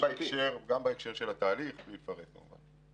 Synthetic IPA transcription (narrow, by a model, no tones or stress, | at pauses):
baekʃʃeʁɡambaekʃe̞ʁʃelat̪aːliχbliːt̪faʁetkamṵva̰n